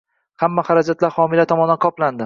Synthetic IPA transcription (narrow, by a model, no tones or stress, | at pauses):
hamːahaɾad͡ʒat̪laɾhɒmɪlat̪ʰɒmɒnd̪anqʰɒpland̪ɪ